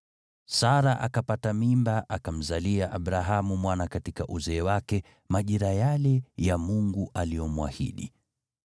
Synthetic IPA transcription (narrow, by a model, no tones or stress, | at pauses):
saɾaʔakapatamimbaʔakam̩zaliaʔaɓɾaɦamumwanakatikaʔuzɛːwakɛ | maʄiɾajalɛjamuŋɡuʔalijɔmuwa̰hḭɗḭ